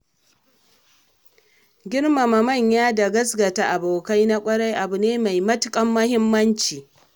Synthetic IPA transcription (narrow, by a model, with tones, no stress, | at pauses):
ɡʲɪ˦ɽma˨mɐ˨mɐ˦˨ɲjaː˦da˨ɡɐ˦sɡɐ˨ta˨ʔa˨boː˨ka˦jna˦kʷʼɐ˦ɽa˦jʔa˨bʊ˨neː˦ma˨jmɐ˦tʊ˨kʼɐ˦mːɐ˦hɪ˦mːɐ˦nt͡ʃiː˨